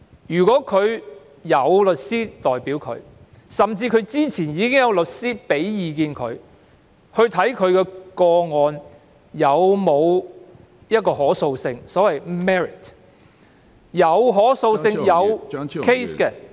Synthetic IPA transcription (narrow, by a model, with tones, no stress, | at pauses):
jyː˨˩kʷɔː˨˥kʰɵ˨˧ɥ | jɐ˨˧wlɵ˨t̚siː˥t̪ɔː˨˩jpiː˨˥wkʰɵ̰˨˧ɥ | sɐ˨mt͡siː˧kʰɵ˨˧ɥt͡siː˥t͡sʰiː˨˩njiː˨˧kɪ˥ŋjɐ˨˧wlɵ˨t̚siː˥pe˨˥jjiː˨˧k̬iː˧nkʰɵ̰˨˧ɥ | hɵ˧ɥt̪ʰɐ˨˥jkʰɵ˨˧ɥkɛː˧kɔː˧ŋɔː˨˧n | jɐ˨˧wmo˨˧w | jɐ˥t̚kɔː˧hɔː˨˥so˧wsɪ˧ŋsɔː˨˥wɐ˨jmɛː˥ɹɪ˨˩t | jɐ˨˧wɦɔː˨˥so˧wsɪ˧ŋŋjɐ˨˧wkʰe˥jskɛ˧